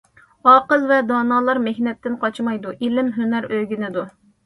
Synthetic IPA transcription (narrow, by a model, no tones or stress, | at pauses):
ɑːqəlˠvɛd̪ɑːnɑːlˠɑɾmehnɛp̚t̪ɪnqɑt͡ʃmɑjd̪uʔilɪmɦynæɾøɡʲinɪd̪u